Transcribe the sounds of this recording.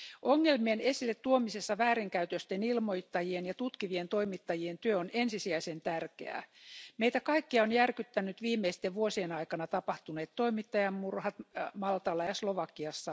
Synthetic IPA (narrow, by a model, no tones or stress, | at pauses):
ʔoŋːelmienesilːet̪tuomisesːɑʋæːɾiŋkæyt̪øst̪enilmoit̪ːɑjienjɑt̪ut̪kiʋient̪o̞imit̪ːɑjient̪yøonensisiæisent̪ærkḛæ̰meijt̪ækɑikːiɑonjærkyt̪ːænyt̪ʋiːmeist̪eʋʋuosienɑikɑnɑt̪ɑpɑht̪uneːt̪toimit̪ːɑjɑmmurhɑt̪mɑlt̪ɑlːɑjɑsloʋɑkːiɑsːɑ